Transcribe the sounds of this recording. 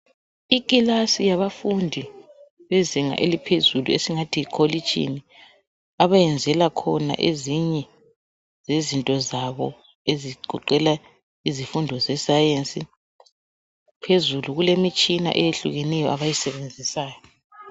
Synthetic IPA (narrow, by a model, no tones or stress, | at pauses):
ikʼilasijaβafundʱi | βɛziŋa̰ʔelipʰezuluesiŋatʰiːkʰolit͡ʃʼḭni | aβajɛnd͡zʱɛlakʰɔna̰ʔeziɲɛ | zezintʼɔzaβɔ | eziɡ͡ǃʱṵǃɛla | izifundʱɔzɛsajent͡sʼi | pʰezuluɣulemit͡ʃʼina̰ʔɛjeɬuɣɛnɛjɔʔaβajisɛβend͡zʱisaːjɔ